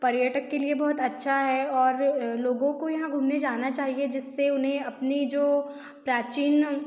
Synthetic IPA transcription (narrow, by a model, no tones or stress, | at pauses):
pɐɾjəːʈəkːeliebɔɦʊt̪ɐtːʃʰaɦɛɔːɾloːɡõkojɐɦãɡʱuːmned͡ʒaːnat͡ʃaːɦied͡ʒɪsːeʊnɦẽɐpnid͡ʒoː | pɾaːt͡ʃiːn